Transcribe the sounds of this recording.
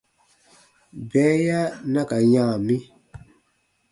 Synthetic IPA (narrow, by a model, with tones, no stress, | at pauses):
bɛː˨˦ja˦na˦ka˨ɲã˦˨mi˦